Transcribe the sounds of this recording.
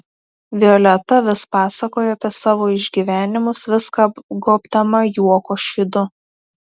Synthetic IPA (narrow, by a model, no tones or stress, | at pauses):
ʋʲɪɔlʲɛt̪ɐʋʲɪspɑːsɐkoːjɛɐpʲiɛsɑːʋoːɪʒʲɡʲiːʋʲæːnʲɪmʊsʋʲɪskɑɡoːpʲd̪ɐmɐjuɔkoːʃʲid̪ʊ